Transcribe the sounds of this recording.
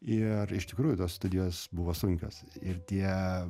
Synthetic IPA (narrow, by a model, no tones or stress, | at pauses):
ɪrɪʃt̪ʲɪkɾuːjʊt̪oːsst̪ʊd̪ʲɪjoːsbʊʋoːsʊŋʲkʲo̰ːsɪrt̪ʲiɛ